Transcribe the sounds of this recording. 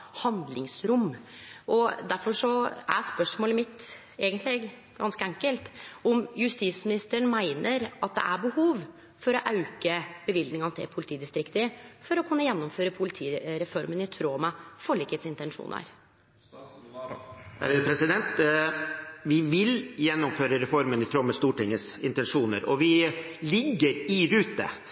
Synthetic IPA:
hɑnd̪lɪŋsɾʊmːʔɔd̪æɾfɔʂɔæ̰spœʂmoːləmɪt̪ | eːɡənt̪ʰlɪɡ | ɡ̥ɑ̰nskəɛŋkəlt̪ɔmjʉst̪iːsmɪnɪst̪əɳmæɪnʔəɾɑt̪̚d̪ɛ̰ʔæɾbəhuːʋ | fɔɾɔʔɑʉkəb̥əʋɪld̪nɪŋɑnət̪ʰɛ̰pʰʊlɪt̪ʰiːd̪ɪst̪ɾɪkt̪əfɔɾɔkʰʉnːəjɛnːʊmføːɾəpʰʊlɪt̪ʰiːɾɛfɔɾmənɪt̪ʰɾoːmɑfɔɭɪkheːt̪sɪnt̪ɛnʂṵːnə̰ɾ | pʰɾɛsɪd̪ɛnt̪ | ʋɪʋɪljɛnːɔmføːɾəɾɛfɔɾmənɪt̪ʰɾoːməst̪uːʈɪŋːəsɪ̰nt̪ɛnʂuːnə̰ɾɔ̰ʋɪ | lɪɡːəɾɪɾʉːt̪ːə̰

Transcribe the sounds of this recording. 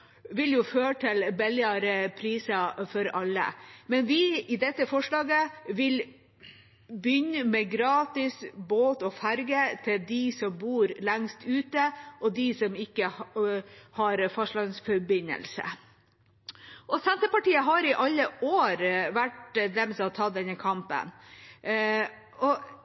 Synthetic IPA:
ʋɪljʊføːəʈʰɪlbɛlɪɑɾəpʰɾiːsɑfɔɾɑlːə̰mɛnʋɪɪd̪ɛt̪ːəfɔʂɭɑːɡəʋɪl | bʏɲːəmɛɡɾɑːt̪ɪsboːt̪ɔfæɾɡət̪ʰɪld̪ɪsɔmbuːɾlæŋst̪ʰʉːt̪əʔɔd̪ɪsɔmɪkːə | hɑɾfɔʂɭɑːɡəsfɔɾbɪnːə̰lsə̰ | ʔɔsɛnt̪əpɑʈiːəɦɑɾɪʔɑlːəʔoːɾʋæʈd̪ɛmsɑt̪ʰɑd̪ɛnːəkʰɑmpə̰n | ɔ

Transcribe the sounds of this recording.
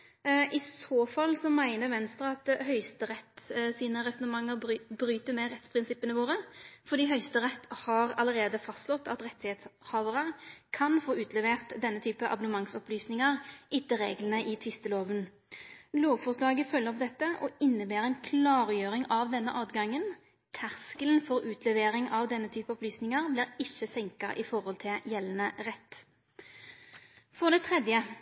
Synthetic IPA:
ʔɪsoːfɑlːsɔmæɪnəɾʋɛnst̪ɾɑɑt̪hœʏst̪əʁɛt̪ːsiːnəʁɛsɔnəmɑŋːəɾbɾyːt̪əmɛʁɛt̪spʰɾɪnsɪpːənəʋoːɾəfɔd̪iːɦœʏst̪əɾɛt̪ːhɑɾɑ̰ləɾeːd̪əfɑst̪lɔt̪ːɑt̪ʁɛt̪ːɪheːt̪shɑːʋəʁəkʰɑnfoːʉːt̪ʰlɛʋeːʁt̪d̪ɛnːət̪ʰyːpəʔɑ̰bɔnəmɑŋsɔplyːsnɪŋəʁʔɪt̪ːəʁḛːɡlənəʔɪt̪ʰʋɪst̪əloːʋən | loːʋfɔʁslɑːɡəfœlːəʁɔpd̪ɛt̪ːəʔɔɪnːəbeːʁɛnkʰlɑːʁjøːʁɪŋɑʋd̪ɛnːəʔɑːt̪ɡɑŋːən | t̪ʰæʁskəln̩fɔʁʉːt̪ʰlɛʋeːʁɪŋʔɑʋd̪ɛnːət̪ʰyːpəɔplyːsnɪŋəʁbliːʁɪçəsɛŋkɑ̰ʔɪfɔɾhɔlt̪ʰɪljɛlːnəʁɛt̪ː | fɔʁd̪ɛt̪ʰʁɛd̪jə

